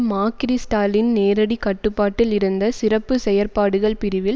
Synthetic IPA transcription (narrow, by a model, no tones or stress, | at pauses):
maːkɪɾisʈaːlɪnneːɾɐɽikɐʈːɯpːaːʈːɪlɪɾɯnd̪ɐsɪrɐpːɯsɛjɐɾpaːɽɯɣɐɭpɪɾɪʋɪl